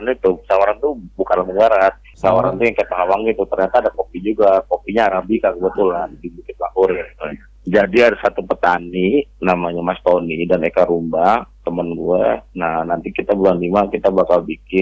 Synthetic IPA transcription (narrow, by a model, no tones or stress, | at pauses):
nit̪usawaɾant̪ubukanlaɦurbaɾat̪̚sawaɾant̪ujaŋkaap̪aɦawaŋɡit̪ut̪ərɲat̪aːdakopid͡ʒuɡakopiɲaːɾabikakəbət̪ulandibukɪt̪̚lahʊɾɡait̪ua | d͡ʒadiadasat̪upət̪aninamaɲamast̪onidanekaɾumbaht̪əmənɡuɛnahnant̪ikit̪abulanlimakit̪abakalbikɪn